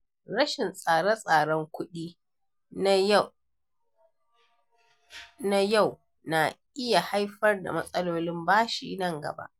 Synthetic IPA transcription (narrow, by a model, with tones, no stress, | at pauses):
ɽɐ˦ʃɪ˨nsʼaː˨ɽɐ˦sʼaː˨ɽɔ˦ŋkʷʊ˦ɗiː˦ | na˦ja˦˨w | na˨ʔɪ˦ja˨ha˦jɸɐ˦rda̰˨mɐ˦sʼɐ˦loː˦lɪ˦mbaː˦ʃḭː˨nɐ˦˨ŋɡɐ̰˨ba̰˦ʔ